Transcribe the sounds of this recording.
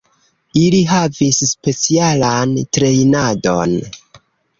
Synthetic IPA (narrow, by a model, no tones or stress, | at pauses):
iliɦavisspe̞t͡sialantɾe̞jnado̞̰n